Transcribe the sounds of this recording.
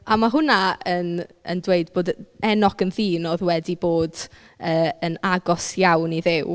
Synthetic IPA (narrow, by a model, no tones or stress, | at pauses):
amaɦʊnaənə̰ndweɨdboːdɛnɔkənðiːnoːðwɛdiboːd | əːənaɡɔsjawniðɪw